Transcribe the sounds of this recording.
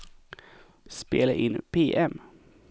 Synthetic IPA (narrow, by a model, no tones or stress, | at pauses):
spḛːlaʔɪnpʰeːʔɛm